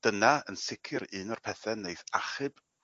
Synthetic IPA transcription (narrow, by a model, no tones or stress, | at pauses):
d̥ənaənsɪkʰɨɾɨːnɔrpʰɛθɛnejθaχɨb̥